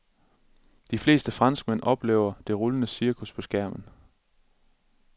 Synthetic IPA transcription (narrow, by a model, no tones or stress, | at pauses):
d̥ifle̝̰ːsd̥əfʁɑ̈nsɡ̥̚men̰ɒ̽b̥lḛːʊɐd̥e̝ʁolənəsiɐkʰuspʰɒ̽sɡ̥æɐ̰mən̩